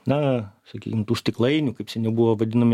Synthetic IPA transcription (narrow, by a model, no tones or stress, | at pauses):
nɐsɐkʲḭkʲɪmt̪uːsʲt̪ʲɪklˠɐɪnʲukɐɪpsʲɛnʲɛbʊʋoːʋɐd̪ʲɪnɐmʲɪ